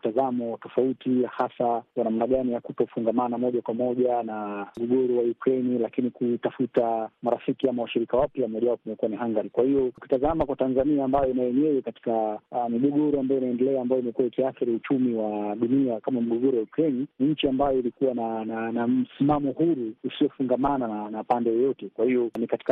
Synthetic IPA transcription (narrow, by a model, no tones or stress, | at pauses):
tazamɔtɔfautihasakwanamnaɠanijakutɔfuŋɡamanamɔʄakwamɔʄanam̩ɡɔɡɔɾuwajukɾɛnilakinikutafutamaɾafikiamawaʃiɾikawapjamɔʄaɔpumɛkuwaniɦaŋɡaɾikwahijɔki̥tazamakwatanzaniaːmbajɔinajɛɲɛwɛkati̥kamiɠɔɠɔɾuambajɔinaɛndɛlɛaːmbajɔimɛkuwaikiaθiɾiut͡ʃumiwaɗuniakamamiɠɔɠɔɾuwajukɾɛniniɲ̩t͡ʃiambajɔilikuwanananam̩simamɔhuɾuːsiɔfuŋɡamanananapandɛjɛjɔtɛkwahijɔnikati̥ka